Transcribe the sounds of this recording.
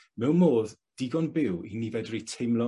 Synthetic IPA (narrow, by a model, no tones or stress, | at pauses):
mɛwnmoːðd̥ɪɡɔnbɪwinivɛdritʰejmlˠɔ